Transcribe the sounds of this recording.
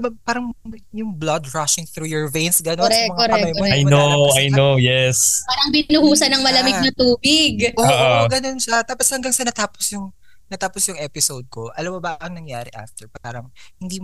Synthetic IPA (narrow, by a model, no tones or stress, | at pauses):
bɐpaːɾɐŋjʊŋblɐd̪ɹaʃɪŋθɾuːjɔɹvejnsɡɐnonsɛɐmɐŋɐɛmɐjoaj̪oajnowjɛspaːɾɐŋbɪnʊhuːsɐnɐŋmɐlɐmɪnɐt̪uːbɪɡʔoːoʔoɡɐno̞nʃɐt̪aːposhɐŋɡɐŋsɐnɐt̪aːposjʊŋ | nɐt̪aːposjʊŋʔɛːpɪsowd̪̚ko̞ʔɐlɐmobɐʔɐŋnɐŋjaːɾɪʔa̰ft̪ɛɹpaːɾɐŋhɪnd̪iːm